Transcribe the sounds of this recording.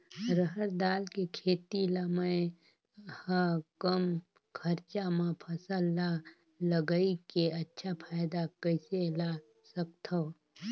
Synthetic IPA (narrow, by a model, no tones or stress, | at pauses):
ɾəɦəɾd̪aːlkekʰeːt̪ilaməe | hakəm | kʰəɾt͡ʃamãpʰɐsəlːa | ləɡəikeɐtːʃʰapʰaːjd̪akəɪsela | sək̚t̪ʰo